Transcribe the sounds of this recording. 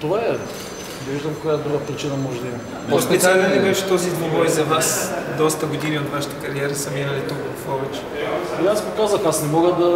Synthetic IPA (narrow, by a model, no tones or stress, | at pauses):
t̪ovaɛ | d̪ɐviʒd̪əmkojad̪ɾuɡəpɾit͡ʃinɐmɔʒɛd̪ɐimɐ | ospit̪at̪ɛlimɛʃɛ̥t̪ɔzid̪nʲivɔjzɐvasd̪ɔst̪ɐɡod̪iniot̪vaʃi̥t̪əkɐɾiɛɾɐsəminɐlit̪ukvɐfɔvɛt͡ʃɛ̥liaspokazəxasnɛmɔɡəd̪ɐ